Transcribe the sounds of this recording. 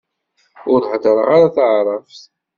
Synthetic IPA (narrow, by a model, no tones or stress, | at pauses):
ʊɾħd̪əɾˤə̰ʁaɾaθəʕɾˤɑfθ